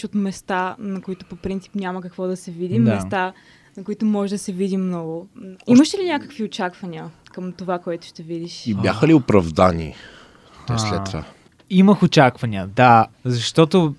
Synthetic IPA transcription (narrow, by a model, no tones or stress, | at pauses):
ot̪mɛst̪anɐkoit̪ʊpopɾint̪si̥pnʲamɐkəkvɔd̪ɐsɛvid̪imɛst̪a | nɐkoʊit̪ʊmɔʒɛd̪ɐsɛvid̪imnɔɡʊimɐʃɛlinʲakəkviot͡ʃakvɐnʲiə | kəmt̪ovakoɛt̪ʊ̥ʃt̪ɛvid̪iʃibʲjaxəliopɾɐvd̪anḭ | t̪ɔjslɛt̪ːova̰ | iməxot͡ʃakvɐnʲiəd̪azɐʃt̪ɔt̪o